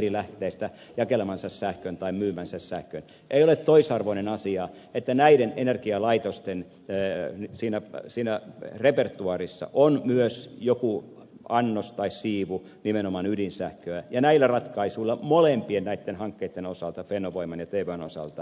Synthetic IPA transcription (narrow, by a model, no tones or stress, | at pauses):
rilæht̪eːst̪æ | jɑkelemɑnsɑssæhkønt̪ɑimmyːmænsæssæhkøn | ʔeiolet̪t̪oisɑrʋoinenɑsiɑ | et̪ːænæiɾenenerkiɑlɑit̪ost̪en | nsiːnæsiːnærepert̪uɑrisːɑ̰ʔonmyøsjoku | ɑnːost̪ɑissiːʋu | nimenomɑnydinsæhkøæjɑnæilːˑærɑt̪kɑisuilːˑɑmolempiennæit̪ːenhɑŋkːeit̪ːenosɑlt̪ɑfenoʋoimɑnjɑt̪eːʋøno̰sɑ̰lt̪ɑ